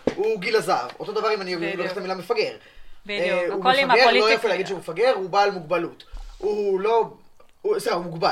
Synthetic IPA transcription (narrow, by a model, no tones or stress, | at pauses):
uɡilazavo̞t̪o̞d̪avaʁimanioviuloest̪amilamefaɡeʁeumefaɡeʁulojafelaːɡid̪ʃeumefaɡe̞ʁhubaːlmuɡ̚balutulo̞ | useχaumuɡbal